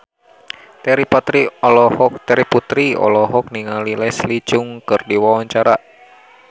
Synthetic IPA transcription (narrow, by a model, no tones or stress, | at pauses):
t̪ɛɾipat̪ɾiɔlɔhɔkt̪ɛɾiput̪ɾiɔ̰lɔɦɔk̚niŋalilɛslit͡ʃuŋkɨrdiwawaɲt͡ʃaɾa